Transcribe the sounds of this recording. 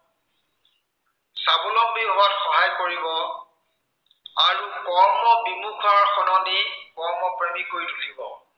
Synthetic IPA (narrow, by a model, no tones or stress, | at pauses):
sabulɔmbiɦʊwatxɔɦajkoɹibɔ | aɹukɔɹmɔbimukʰaɹxɔnɔdikɔɹmɔpɹemikoɹjdʰukʰibɔ